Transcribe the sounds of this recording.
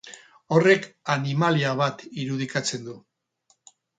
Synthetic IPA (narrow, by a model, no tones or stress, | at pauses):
o̞re̞kanimaliaβ̞at̪iɾuð̞ikat͡se̞nd̪u